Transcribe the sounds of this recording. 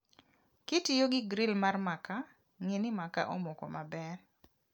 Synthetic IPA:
kitijoɡɪɡɾɪlmarmaka | ŋenɪmaka̰ʔomokɔ̰mabɛn

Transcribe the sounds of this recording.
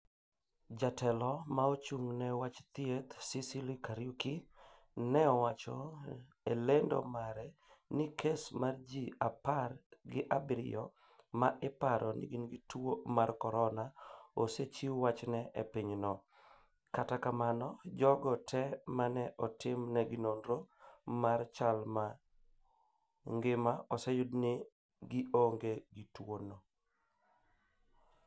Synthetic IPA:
d͡ʒatɛlɔmaot͡ʃuŋnɛwat͡ʃt̪iet̪sisilikaɾjuki | nɛɔwat͡ʃɔ | elendo̰maɾɛnikesmard͡ʒiaparɡɪʔabɾɪ̰ɔ | maʔɪpaɾʔɔnḭɡinɡituomarkɔɾɔnaoset͡ʃiwat͡ʃnɛʔepiɲnɔ | katakamanɔd͡ʒɔɡɔtʰɛmanɛʔɔtɪmnɛɡɪnondɾomart͡ʃalma | ŋɡɪmaɔsejʊdnɪ | ɡɪʔoŋɡeɡitwono

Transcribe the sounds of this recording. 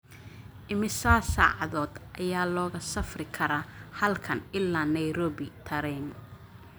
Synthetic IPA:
ʔɪmɪsaːsa̰ːʕɑðɔːd̪ʔɐjaːlɔːɣɐsɐfrɪkʰɐɾaːhɐlkʰɐnɪlːaːnɐjɾɔːβɪt̪ʰɐɾɛn

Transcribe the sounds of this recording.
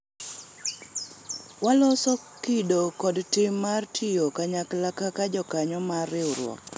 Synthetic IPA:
walɔsɔkidokɔdtɪmːartʰijokaɲaklakakad͡ʒɔkaɲɔmarɪɾwɔ̰k

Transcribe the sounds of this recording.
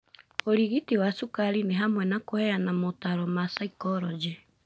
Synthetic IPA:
oɾiɣitiwasukaɾineɦamwɛnakohɛjanamotaɾɔmasaikɔɾɔd͡ʒɛ

